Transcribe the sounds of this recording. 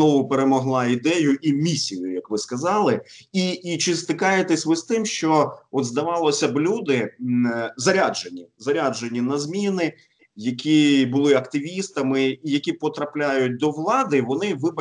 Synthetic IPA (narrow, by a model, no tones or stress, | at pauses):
ɔʋʊpeɾemɔɦlˠɑid̪ɛjʊʔimʲisʲijʊ̰jɐkʋɪskɐzɑlˠɪiːt͡ʃɪst̪ɪkɑjet̪ɛsʲʋɪst̪ɪmʃt͡ʃɔɔt̪zd̪ɐʋɑlˠɔsʲɐblʲud̪ɪ | zɐɾʲad͡ʒenʲːizɐɾʲaʒenʲːinɐzmʲinɪ | jɐkʲibʊlˠɪɐkt̪ɪʋʲist̪ɐmɪːjɐkʲipɔt̪ɾɐplʲajʊt̚ʲd̪ɔʋlˠɑd̪ɪʋɔnɪʋɪbɐ